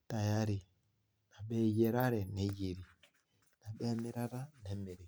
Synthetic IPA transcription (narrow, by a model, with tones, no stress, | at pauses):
ta˨ja˦ɾi˨ | na˨ɓɛ˦je˨ɾa˦ɾɛ˨ne˦d͡ʒe˨ɾi˨ | na˨ɓɛ˦mɛ˦ɾa˦ɾa˦nɛ˦mɛ˨ɾi˨